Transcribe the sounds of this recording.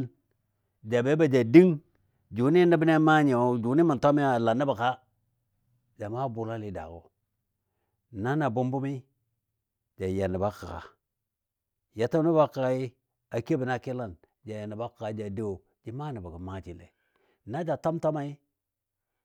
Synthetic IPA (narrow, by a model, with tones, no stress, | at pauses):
n | d͡ʒa˨be˦ba˨d͡ʒa˨di˦ŋ | d͡ʒu˨ni˦ni˦bi˦ne˦ma˦ɲe˨o˨d͡ʒu˨ni˦mi˨nto˦mi˦a˨la˨nːi˦ba˨ka˦ | d͡ʒa˨ma˦bu˨la˦li˨da̰˨ɡo̰˨ | na˦na˨bu˦mbu˦mi˦ | d͡ʒa˨ja˨nːi˨ba˦ka˨ka̰˨ | ja˨to˦ni˦ba˦ka˨ka˦i˦ | a˨ke˦bi˨na˦ki˦la˦n | d͡ʒa˨ja˨ni˨ba˦ka˨ka˨˦d͡ʒa˨de˦o˨ | d͡ʒi˨ma˦˨ni˨ba˨ɡi˨ma˦˨t͡ʃi˨lḛ˨ | na˦d͡ʒa˨to˦mto˦ma˨i˦